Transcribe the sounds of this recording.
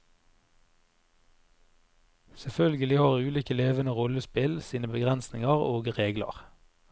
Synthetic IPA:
sɛfœlɡəlɪhɑːʁʉːliːkəleːʋənəʁɔləspɪlsiːnəbəɡʁɛnsnɪŋɑʁoːɡʁeːɡlɑ̰ʁ

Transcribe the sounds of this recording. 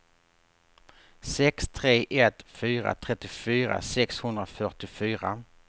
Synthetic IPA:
sɛkst̪ʰɾeːʔɛt̪fyːɾa̰t̪ʰɾɛt̪ːɪfyːɾa̰sɛkshɵnd̪ɾafœʈɪfyːɾa

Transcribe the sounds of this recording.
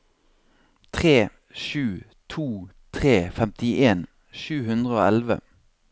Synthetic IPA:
t̪ʰʁeː | ʃʉː | t̪ʰuː | t̪ʰʁeːfɛmt̪ɪʔeːn | ʃʉːhʉnd̪ʁəoːɛlʋə̰

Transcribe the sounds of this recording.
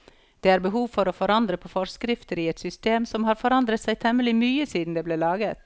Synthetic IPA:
d̪̥eːæːɾbəɦuːʋfɔɾoːfɔɾɑnd̪ɾəpʰoːfɔɾskɾɪft̪əɾiːɛt̪sʏst̪eːmsɔmhɑːɾfɔɾɑnd̪ɾət̪sæɪt̪ʰɛməlɪmyːəsiːd̪n̩d̪eːbleːlɑːɡət̪

